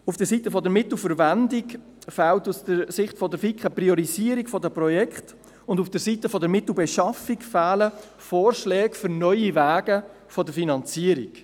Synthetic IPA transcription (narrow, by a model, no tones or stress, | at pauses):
ufd̥əɾsitəfɔdəɾmɪt̪l̩fəɾvændik | fæːltusd̥əɾsɪχtfɔdəɾfikχəpriɔɾiziːəɾikfɔdəpɾɔjɛkχt | ʊndufd̥əɾsitəfɔdəɾmɪtl̩beʃɑfikfæːlə | foːrʃlɛːkfʏɾnœʏivæːɡə | fɔdəɾfinɑnt͡siəɾik